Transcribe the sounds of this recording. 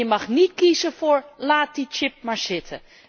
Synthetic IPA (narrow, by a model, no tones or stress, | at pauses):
əmɑxnitkizəfoɹlaːt̚dit͡ʃɪp̚maɹsɪtʰə